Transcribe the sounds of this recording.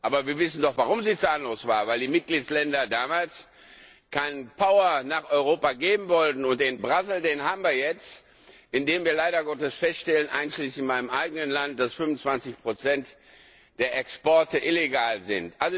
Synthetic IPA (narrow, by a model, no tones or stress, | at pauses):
ʔaːbɐviːɐvɪsn̩dɔχv̥aʁʊmziːt͡saːlənloːsv̥aːvaɪldiːmɪt̚ɡ̥liːtslɛndɐdaːmaːls | kʰaɪnpʰaʊɐnaːχɔʏʁoːpaɡeːbm̩vɔltn̩ʊntd̥ɪnbʁazl̩deːnɦaːbm̩viːɐjɛt͡st | ʔɪndeːmviːɐlaɪɾɐɡɔtəsfɛstʃtɛlənʔa̰ɪnʃliːsɪnmaɪnəmʔaɪɡənənlant̚d̥asfʏnʊnt͡sv̥ant͡sɪçpʁ̥ot͡sɛnt | d̥eːɐʔɛkspɔɐtəʔɪleɡaːlzɪ̰ntʔalzo